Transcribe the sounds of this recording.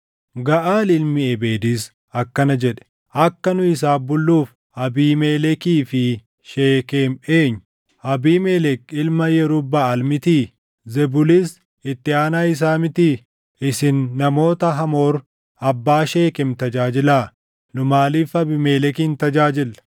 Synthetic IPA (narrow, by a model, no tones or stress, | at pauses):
ɡɐʔaːlɪlmɪɛbeːd̪iːs | ɐkːɐnɐd͡ʒɛᶑɛ̥ | ʔɐkːɐnʊɪs̬aːbʊlːuːf | ɐbiːmeːlɛkiːfɪ | ʃeːkeːmeːɲːʊ | ʔɐbiːmeːlɛkɪlmɐjɛɾʊbːaɐlmɪt̪iː | zɛbʊlis | ɪt̪ːɪaːnaːɪs̬aːmɪt̪iː | ɪsɪnːɐmo̞ːt̪ɐɦɐmo̞ːɾ | ɐbːaːʃe̞ːkɛmt̪ɐd͡ʒaːd͡ʒɪlaː | nʊmaːliːfɐbɪmeːlɛkiːnt̪ɐd͡ʒaːd͡ʒɪlː